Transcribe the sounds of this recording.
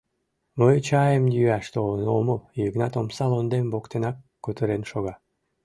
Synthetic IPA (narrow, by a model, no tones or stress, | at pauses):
məjt͡ɕɑjəmjyæʃt̪olənoməljəɣnɑt̪omsɑlond̪embokt̪enɑkːut̪əɾenʃoɣɑ